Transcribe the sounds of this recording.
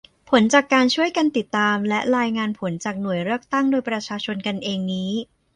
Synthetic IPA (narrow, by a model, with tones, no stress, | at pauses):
pʰo˩˦nt͡ɕaː˨˩kːaː˧nt͡ɕʰu˥˩əjka˧nt̪i˨˩t̪ːaː˧mlɛ˦˥ʔɾaː˧jŋaː˧npʰo˩˦nt͡ɕaː˨˩k̚nu˨˩əjɾɯ˥˩ək̚t̪a˥˩ŋdoː˧jpɾa˧t͡ɕʰaː˧t͡ɕʰo˧nka˧nʔeː˧ŋniː˦˥